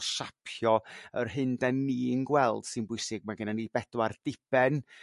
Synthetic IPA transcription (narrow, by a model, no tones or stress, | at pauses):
ʃapʰjɔərɦɨndɛnːiːnɡwɛlˠd̥sɨnbʊɨsɪɡ̚maɡənanibɛdward̥ɪb̥ɛn